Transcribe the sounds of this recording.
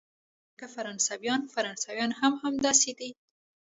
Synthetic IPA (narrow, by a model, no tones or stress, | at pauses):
kafaɾɑnsawjɑnfaɾɑnsɑwjɑnhamhamd̪ɑsed̪i